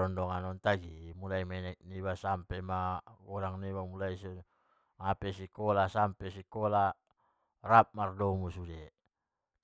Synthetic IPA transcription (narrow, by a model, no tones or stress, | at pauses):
ɔndɔŋanɔnt̪aɡimulaimɛnɛk̚niβasampɛmaɡɔɾaŋniwamulais | ŋapɛsikɔlasampɛsikɔla | rap̚mardɔmusudɛ